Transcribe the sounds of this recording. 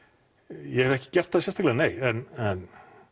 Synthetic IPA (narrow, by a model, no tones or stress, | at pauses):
jɛhɛvɛhcɪ̥cɛr̥t̪hasɛnst̪aklɛːaneːjɛnɛn